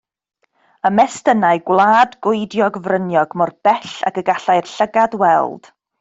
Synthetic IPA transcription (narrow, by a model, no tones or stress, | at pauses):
əmɛstənaɨɡwlˠaːdɡʊɨdjɔɡvrənjɔɡmɔrb̥ɛɬa̰kəɡaɬajrɬəɡadwɛ̰lˠd̥